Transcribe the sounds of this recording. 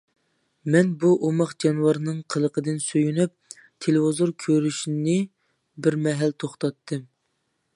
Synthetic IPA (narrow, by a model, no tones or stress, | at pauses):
mɛnbuʔomɑχd͡ʒɑnuwɑɾnɨŋqʰəlˠəqʰəd̪ɨnsøjynyp̚ | t̪ʰelewozoɾkʲʰøɾyʃinɪ | bɪɾmɛɦɛlt̪ʰoχt̪ɑt̪ʰːɨm